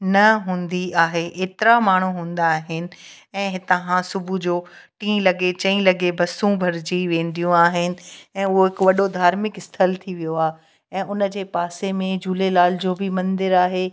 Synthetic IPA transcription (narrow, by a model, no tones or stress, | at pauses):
nɐɦũːnd̪iaːɦeʔeːt̪ɪɾamaːɳ̤uɦũːn̆d̪aːɦɪnɪ̆ | ɛ̃ːɦɪt̪ɐɦãsʊbʱud͡ʑoːʈĩːlɐɡet͡ɕɐ̃ĩlɐɡebɐsũbʱɐɾd͡ʑiʋẽːnd̪ijũaːɦɪnɪ̆ɛ̃ːʊɦoɦɪkʋɐɗod̪ʱaːɾmɪkɪst̪ʰəlt̪ʰiʋijoaːɦ | ɛ̃ːʔʊnə̆d͡ʑeːpaːsemẽd͡ʑʱuːlelaːl̤d͡ʑoːbɪmɐ̃nd̪ɪɾaːɦeː